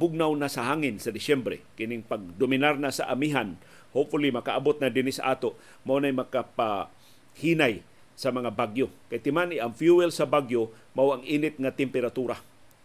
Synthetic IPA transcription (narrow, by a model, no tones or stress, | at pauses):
bʊɡ̚nawnasaɦaːŋɪnsad̪ɪsɛmbɾɛ̰kɪnɪŋpaɡ̚d̪omɪnaɾnasaʔamiɦan | hopfʊlimakaʔabot̪̚ŋad̪ɪnɪsa̰ʔaːt̪o | mawnajmɐkapa | hiːnaj | samɐŋabaɡjokajt̪ɪmanɪʔaŋfjuwɪlsabaɡjo | mawaŋiːnɪt̪̚ŋat̪ɪmpɛɾat̪uɾa